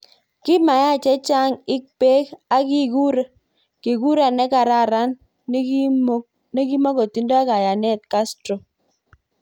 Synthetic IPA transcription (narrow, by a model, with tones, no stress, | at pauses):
kɪ˦ma˨ja˦˨t͡ʃɛ˦t͡ʃa˦ŋɪ˦k̚pe˦ka˦kɪ˦ɡu˦ɾe˦ | ki˨ɡu˦ɾa˨nɛ˦ka˨ɾa˦˨ɾa˦n | ne˦ki˦mo˦ko˨ti˦ndo˦a˦ka˨ja˨nɛ˦˨t̪̚ka˦stɾo˨